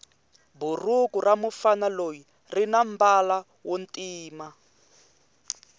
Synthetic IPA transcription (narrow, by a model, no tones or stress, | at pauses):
burukuramufanaloji | rinam̩bala | wontʼiːma